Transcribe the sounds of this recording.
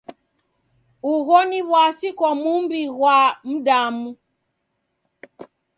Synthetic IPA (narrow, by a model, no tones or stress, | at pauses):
uɣɔniβwasikwamumbiɣwam̩damu